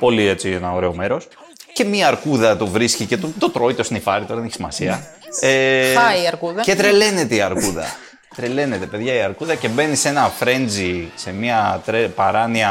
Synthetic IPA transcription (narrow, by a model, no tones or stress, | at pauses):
po̞lie̞t͡sienɐo̞ɾe̞o̞me̞ɾo̞s | ce̞miɐːɾkuðɐt̪ovɾiscice̞t̪ot̪o̞t̪ɾo̞it̪o̞sinifɐɾit̪o̞ɾɐðeneçi̥simɐsiɐ | eɐiɐɾkuðɐce̞t̪ɾe̞le̞ne̞t̪eiɐɾkuðɐ̰ | t̪ɾe̞le̞ne̞t̪e̞pe̞ðʝɐiɐɾkuðɐce̞be̞nise̞nɐfɾe̞nd͡zise̞miɐt̪ɾepɐɾɐniɐ